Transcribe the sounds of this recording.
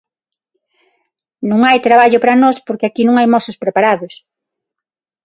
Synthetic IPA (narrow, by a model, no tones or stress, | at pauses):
nũŋajt̪ɾaβ̞aʎʊpɾanɔspoɾkeakinũŋajmɔsospɾepaɾaðos